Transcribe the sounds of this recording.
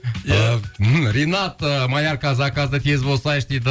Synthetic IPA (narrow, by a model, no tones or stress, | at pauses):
m̩ɾinɑt̪əmɑjɑɾkɑzɑkɑzd̪ət̪ʰe̞zbolˠsɑjʃt̪ed̪ɪ